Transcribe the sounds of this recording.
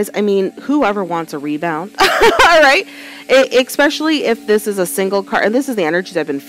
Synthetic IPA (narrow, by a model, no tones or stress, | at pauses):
ɪza̰ɪmĩnhuɛvə˞wɑ̃ntsəɹibãʊ̃nd̥ɹaɪt̚ | ʔɪʔɪkspɛʃl̩ˠiʔɪfðɪsɨzəsɪ̃ŋɡl̩ˠkʰɑ̰ɹʔɨ̰̃nðɪsɨzðiɛnə˞d͡ʒiðɨaɪvbɨ̃nf